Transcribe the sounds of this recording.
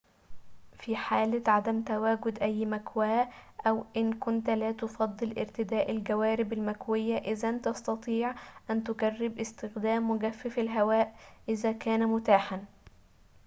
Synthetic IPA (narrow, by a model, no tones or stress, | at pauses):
fiːħaːlɪʕad̪æmt̪æwæːɡʊd̪ʔæjːmækwæːʔʔæwʔɪnkʊnt̪læːt̪ofɑd̪ˤːɨlʔɪ̰ɾt̪ɪd̪aːʔalɡæwæːɾɪbɪlmækwɪjːaʔɪzænt̪ɑst̪ɑt̪ˤiːʕʔænt̪ʊɡærːɪbʔɪst̪ɪxd̪æːmwɪɡæfːɪfɪlɦæwæːʔʔɪzæːkæːnæmʊt̪aːħan